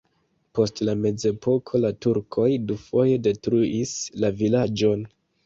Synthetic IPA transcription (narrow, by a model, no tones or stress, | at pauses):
po̞stlame̞d͡ze̞po̞kʰo̞latuɾkʰo̞jdufo̞je̞de̞tɾuʔislavilad͡ʒo̞n